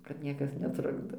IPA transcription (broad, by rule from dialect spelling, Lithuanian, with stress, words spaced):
kɐt ˈnʲiɛkɐs nʲɛˈtrʊɡdoː